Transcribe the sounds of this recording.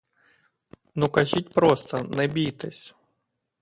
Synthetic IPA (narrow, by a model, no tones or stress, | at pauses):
nukɐʒitʲpɾɔst̪ɐnɛbʲijt̪ɪsʲ